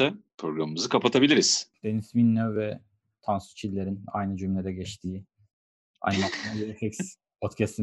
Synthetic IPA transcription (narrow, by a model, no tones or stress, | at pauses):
ɛpʰɾo̞ɡɾamɯmɯzɯkʰapat̪ʰabilʲiɾiz̥d̪̥e̞nizminːøvɛ | t̪ʰansu̥t͡ʃʰilʲːe̞ɾina̰jnɯd͡ʒymlʲed̪ɛɟɛt͡ʃt̪ʰiː | a̰jnɯmak̪ˠanjeɾɛhɛks | pʰot̪cʰɛst̪ʰi